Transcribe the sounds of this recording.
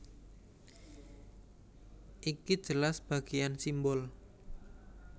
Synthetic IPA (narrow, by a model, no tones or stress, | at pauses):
ʔiki̥ʒ̥ə̤lasb̥a̤ɡ̥ejansimbɔl